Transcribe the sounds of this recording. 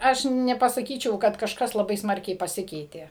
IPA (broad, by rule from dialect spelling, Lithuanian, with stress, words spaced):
ˈɐʃ nʲɛpɐsɐˈkʲiːt͡ʃʲɛʊ kɐt kɐʃˈkɐs lˠɐˈbɐɪ ˈsmɐrʲkʲɛɪ pɐˈsʲɪkʲɛɪtʲeː